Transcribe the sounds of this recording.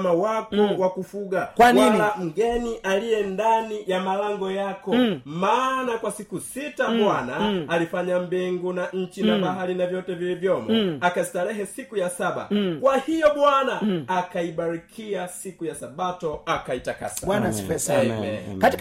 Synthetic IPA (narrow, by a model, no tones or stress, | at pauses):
mawakɔwakufuɡakwanwalam̩ɡɛniʔalijɛndanijamalaŋɡɔjakɔmaːnakwasikusitaɓwanaːlifaɲambiŋɡunaɲ̩t͡ʃinaɓaɦaɾinavjɔtɛvilivjɔmɔakastaɾɛɦɛsikujasaɓa̰kwahijɔɓwanaːkaiɓaɾikʰiasikujasaɓatɔakaitaka̰saanasɛsɛɛkatik